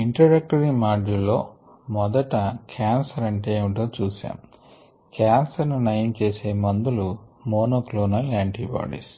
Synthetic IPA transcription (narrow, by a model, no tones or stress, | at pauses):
iɳʈɾɐɖɐk̚ʈɐɾimaːd͡ʒulːoː | mɔd̪ɐʈɐkʰaːnsɐɾɐɳʈeːʋiʈoːt͡ʃuːsa̰ːm | kaːnsɐɾnunɐjnt͡ʃe̞ːse̞ːmɐnd̪ulumoːnoːkloːnɐlaːɳʈḭːba̰ːɖḭːs